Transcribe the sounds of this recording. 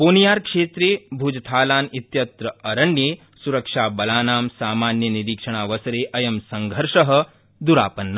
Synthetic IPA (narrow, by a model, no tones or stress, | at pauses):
poːnijaːɾkʂeːt̪ɾeːbʱuːd͡ʒt̪ʰaːlaːnit̪jɐt̪ɾɐɐɾɐɳːjeː | suɾɐkʂaːbɐlaːnaːmsaːmaːnjɐniɾiːkʂɐɽ̃aːʋɐsɐɾeːʔɐjɐmsɐŋɡʱɐɾʂɐɦɐ̆ | d̪uɾa̰ːpɐnːɐ